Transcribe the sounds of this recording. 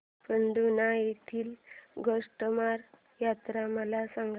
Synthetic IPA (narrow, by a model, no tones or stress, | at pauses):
pəɳd̪unajet̪ʰiːlɡʱəʂʈəmaɾ | jat̪ɾaməlasaŋɡ